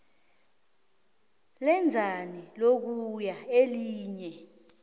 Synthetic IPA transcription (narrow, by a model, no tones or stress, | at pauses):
lɛnd͡zʱanilok̬ujaeliːɲɛ